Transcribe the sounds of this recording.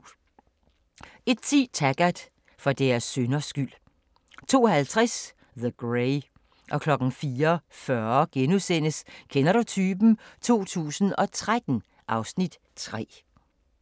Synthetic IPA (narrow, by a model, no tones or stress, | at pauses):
e̝d̥̚t͡sʰiːt͡sʰæɡ̥æd̥ | fɒd̥æɐsːønɐsɡ̥yl̰ | t͡sʰo̝̰ːhælt͡sʰʁas | ðəɡ̥ʁeɪ | ʔɒ̽kʰlɒ̽ɡ̥n̩fiːɐfɶɐɡ̥enusen̰əskʰenɐɾut͡sʰyːb̥n̩t͡sʰo̝̰ːt͡sʰṵːsn̩ɒ̽t͡sʰʁad̥n̩ | ʔɑ̈ʊsnid̥ | t͡sʰʁɛ̰ː